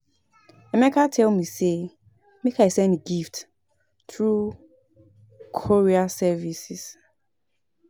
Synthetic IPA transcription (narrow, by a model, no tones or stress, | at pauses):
ɛmɛkʰatʰɛlmise | mekaɪsɛ̃ndeɡift | θɹu | kʰɔɹiasɛvisis